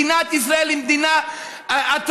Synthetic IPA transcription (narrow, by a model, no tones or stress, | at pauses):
inat̪is̬ɾaɛlimd̪ina | at̪ʰ